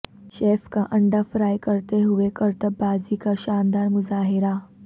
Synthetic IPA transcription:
ʃeːfkaʔəɳɖafɾaːjkəɾt̪eɦuʋekəɾt̪əbaːzikaɕaːnd̪aːɾmʊzaːɦɪɾa

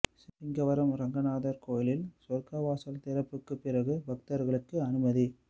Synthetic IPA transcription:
sɪpːɪŋɡɐʋɐɾɐmɾɐŋɡɐnaːðɐɾkoːjɪlɪlsɔɾkɐʋaːsɐlt̪ɪɾɐpːɯkːɯpːɪrɐɣɯbɐk̚t̪ɐɾɣɐɭɯkːɯɐnɯmɐði

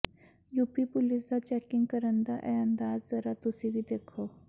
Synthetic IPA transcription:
juːpipʊlɪsd̪aːt͡ʃɛːkɪ̃ŋɡkəɾənd̪a̰ːʔɛːənd̪aːzzəɾaːt̪ʊsĩːbiːd̪eːkʰoː

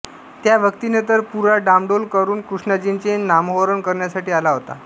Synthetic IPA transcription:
t̪jaʋəkt̪inet̪əɾpuɾaɖamɖolkəɾuːnkɾuʂɳəd͡ʑint͡ɕenamɦoɾəɳkəɾɳjasaʈiːalaɦot̪a̰

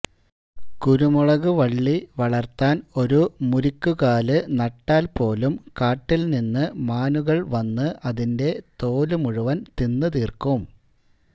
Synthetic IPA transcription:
kuɾumuɭɐɣuʋɐɭːiʋɐɭɐrt̪aːno̞ɾumuɾikʲːuɣaːlɨnɐʈːaːlpo̞ːlumkaːʈːilninːɨmaːnuɣɐɭʋɐnːɨʔɐðinde̞t̪o̞ːlumuɻuʋɐnt̪inːɨt̪iːrkum

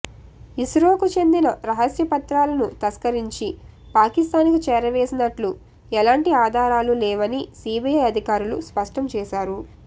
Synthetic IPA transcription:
iʃɾoːkut͡ʃe̞nd̪inɐɾɐɦɐsjɐpɐt̪ɾaːlɐnut̪ɐskɐɾiɲt͡ʃi | paːkist̪aːnikit͡ʃɛːɾɐʋe̞ːsinɐʈlu | ɛlaːɳʈiaːd̪ʱaːɾaːlulɛːʋɐnisiːbijɐjɐd̪ʱikaːɾuluspɐʂʈɐmt͡ʃɛːʃaːɾu

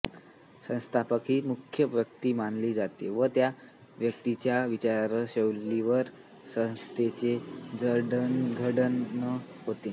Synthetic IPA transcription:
sə̃st̪ʰapəkɦiːmukʰjəʋjəkt̪iːmanliːd͡zat̪eʋət̪ja | ʋjək̚t̪it͡ɕjaʋit͡ɕaɾaɾəɕeʋliʋəɾ | sə̃w̃st̪ʰet͡sed͡zəɽənɡʱəɽənːə | ɦot̪e

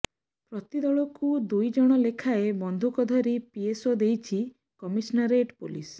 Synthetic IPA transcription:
pɾɔt̪id̪ɔɭɔkud̪ujd͡ʒɔɽ̃ɔlekʰaebɔnd̪ʱukɔd̪ʱɔɾipiesod̪ejt͡ʃʰi | kɔmisnaɾeʈpo̰lḭs

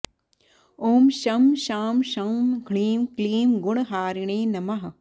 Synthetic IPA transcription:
oːmʃɐmʃaːmʃɐmɡʱɳiːmkliːmɡʊɳ̃ɦaːɾiɳeːnɐmɐɦɐ

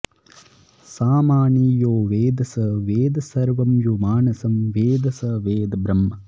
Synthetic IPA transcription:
saːmaːɳiːjoːʋeːd̪ɐsɐʋeːd̪ɐsɐɾʋɐmjumaːnɐsɐmʋeːd̪ɐsɐʋeːd̪ɐbɾɐmːɐ

